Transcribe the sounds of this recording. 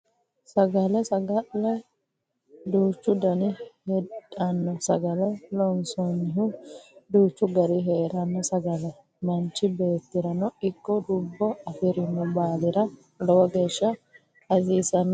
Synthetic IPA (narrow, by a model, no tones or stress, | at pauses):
sɐɡɐlɛsɐɡɐlɐj | d̪uːt͡ʃːʊd̪ɐnɪhɛᶑʼɐnːɔsɐɡɐlɛlɔnsɔnːɪɦʊd̪uːt͡ʃːʊɡɐɾɪɦeːɾɐnːɔsɐɡɐlɛ | mɐnt͡ʃːɪbe̞ːt̪ːɪɾɐnɔɪkːɔd̪ʊbːɔɐfɪɾɪnːʊbaːlɪɾɐ | lɔwɐɡeːʃːɐ | ɐziːsɐnː